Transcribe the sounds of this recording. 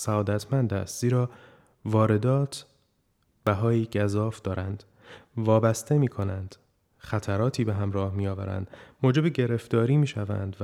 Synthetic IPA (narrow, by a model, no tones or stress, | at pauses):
sæɒːd̪æt̪ʰmænd̪æ̰st̪z̥iːɾɒː | vɒːɾe̞d̪ɒːt̪ʰ | b̥æɦɒːjiːɟæzɒːfd̪ɒːɾænd̪̥ | vɒːbæst̪e̞miːkʰo̞nænd̪̥ | xæt̪ʰæɾɒːt̪ʰiːbe̞ɦæmɾɒːhmijɒːvæ̰ɾæ̰nd̪̥moːd͡ʒe̞beɟe̞ɾe̞ft̪ɒːɾiːmiːʃævæ̰nd̪v